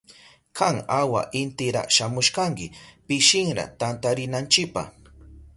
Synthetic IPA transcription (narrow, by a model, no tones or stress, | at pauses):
kʰaŋawa̰ʔɪnt̪ɪɾa̰ʃamʊʃkaŋkɪpɪʃɪŋɾa̰t̪ant̪aɾɪnant͡ʃɪk̚pa̰χ